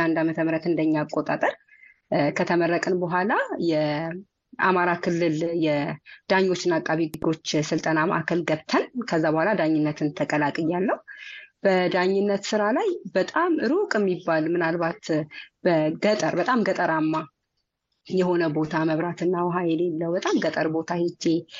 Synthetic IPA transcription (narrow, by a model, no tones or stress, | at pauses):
and̪amət̪ʰəmɾət̪ɨnd̪əɲːakʼːot̪ʼat̪ʼəɾ | kʰət̪ʰəməɾːəkʼɨnbəɦʷalajɛ | a̰maɾakʰɨlːɨljɛd̪̥aɲːo̞t͡ʃːɪnakʼːaβiɡɨɡo̞t͡ʃːsɨlt̪ʼənamə̰ʔakʰəlɡəβt̪ʰənkʰəzːabəhʷalad̪aɲːɪnːət̪ʰɨnt̪ʰəkʼəlakʼɨjːalːəhub̥əd̪aɲːɪnːət̪sɨɾalajbət̪ʼamɨɾukʼɪmːibːalmɨnalbat̪bəɡət̪ʼəɾbət̪ʼamɡət̪ʼəɾamːa | jɛɦo̞nəbo̞t̪ʰaməβɾat̪ɨnːawɦajɛle̞lːəwbət̪ʼamɡət̪ʼəɾbo̞t̪ʰahed͡ʒe